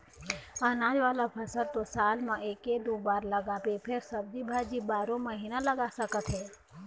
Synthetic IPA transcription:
anãːd͡ʒʋaːlapʰəsəɾt̪osaːlmãeːked̪oːbaːɾləɡaːpepʰɪɾsəb̚d͡ʒibʱaːd͡ʒibaːɾõməɦiːnaləɡasəkət̪ɦɛː

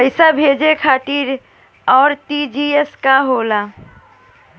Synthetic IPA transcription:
əɪsabʱed͡ʒekʰaːʈiɾ | ɔːɾtid͡ʒieskaɦoːla

